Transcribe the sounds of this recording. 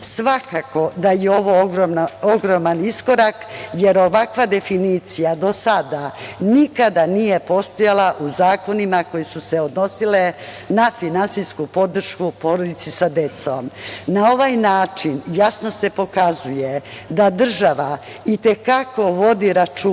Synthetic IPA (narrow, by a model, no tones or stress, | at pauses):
sʋakako̞d̪ajeo̞ʋo̞oɡɾomnaoɡɾomanisko̞ɾakjeɾo̞ʋakʋad̪e̞finiːt̪sijad̪o̞sad̪anikad̪anije̞po̞st̪ojalaʔuzaːko̞nimako̞jesuse̞od̪no̞sile̞ | nafinansiskupo̞d̪r̩ʃkupo̞ɾod̪it̪sisad̪e̞t̪so̰mnao̞ʋajnaːt͡ʃinjasno̞se̞po̞kazuje̞d̪ad̪r̩ʒaʋa | it̪e̞kako̞ʋo̞d̪iɾat͡ʃu